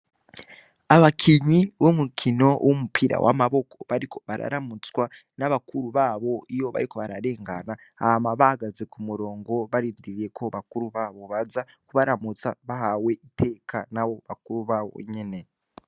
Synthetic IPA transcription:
aβakʰiɲiβomukʰino̞wʔomupʰiɾa̰wʔa̰maβo̞kʰoβaɾikʰo̞̥βaɾa̰ɾamut͡swa | naβakuɾuβaβo̞ijo̞βa̰ɾiko̞βaɾaɾe̞ːŋɡana | amaβaɡaze̞kumuɾo̞ːŋɡo̞βaɾiːndiɾiɾe̞kʰo̞βakuɾuβaβo̞βaza | kuβaɾamut͡saβaɦawe̞ite̞ːkʰanaβo̞βakuɾuβaβo̞̰ɲene̞

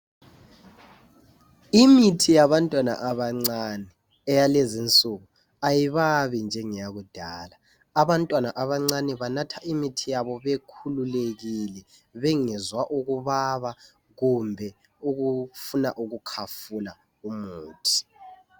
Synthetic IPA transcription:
imitʰijaβantʼwana̰ʔaβaŋ͡ǀanɛː | jalezint͡sʼuɣu | ajiβaβind͡ʒʱɛŋijaɣud̥ʱaːlaː | βantʼwanaʔaβaŋ͡ǀanɛβanatʰaʔimitʰijaβɔβekʰululeɣilɛ | βeŋizwaʔuɣuβaβa | ɣumbʱɛ | uɣufuna̰ʔuɣukʰafula | umuːtʰi̥

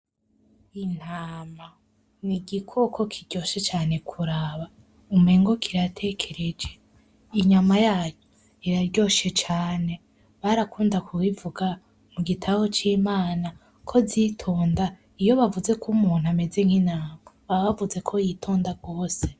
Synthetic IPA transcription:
in̥haːma | niɡikʰo̞kʰo̞kʰiɾɟo̞ʃe̞t͡ʃaːne̞kʰuɾaβa | umeːŋɡo̞kʰiɾatʰe̞kʰe̞ɾe̞d͡ʒe̞ | iɲamajaːjo | iɾaɾɟo̞ʃe̞t͡ʃaːne̞ | βaɾakuːndakʰuwivuɡa | muɡitʰawot͡ʃiːmaːna | kʰo̞zitʰoːnda | ijo̞βavuze̞kumuːn̥ame̞ze̞ŋ̥hin̥haːmaβaβavuze̞kʰo̞jitʰoːndaɡo̞ːse̞

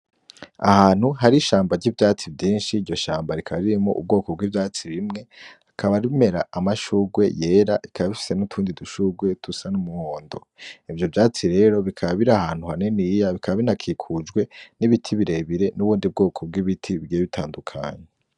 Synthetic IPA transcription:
a̰haːn̥huɦaɾiʃaːmbaɾɟivjaːt͡sibɟiːnʃiːɾɟo̞ʃaːmbaɾikʰaβɾiɾimo̰ʔṵb̚ɡo̞ːko̞bɡiːvjaːt͡siβimŋe̞akʰaβaɾiime̞ɾaamaʃuːɡwe̞je̞ːɾaʔikʰaβaβifi̥se̞nutʰuːndiduʃuɡwe̞tusanumuhoːndo̞̰ | ivjo̞vjaːt͡siɾe̞ɾo̞βikʰaββiɾahaːn̥huhanenijaβikʰaβaβinakʰikʰud͡ʒɡwe̞niβitʰiβiɾe̞βiɾe̞nuβuːndib̚ɡo̞ːkʰo̞b̚ɡwiβitʰiβiɡieβitʰaːndukʰa̰ːɲe

